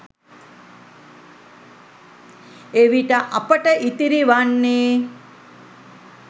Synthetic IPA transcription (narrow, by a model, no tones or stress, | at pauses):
eʋiʈəʔapəʈəʔit̪iɾiʋanːeː